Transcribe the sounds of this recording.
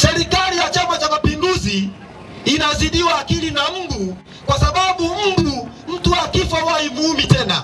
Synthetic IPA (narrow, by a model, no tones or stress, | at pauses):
sɛɾikalijat͡ʃamat͡ʃamapinduziː | naziɗiwaːkilinam̩du | kwasaɓaɓum̩du | m̩tuakifɔhaimuumitɛna